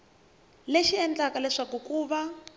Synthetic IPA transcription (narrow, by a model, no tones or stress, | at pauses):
leʃiɛnd͡ɮakalɛʂakukuːβa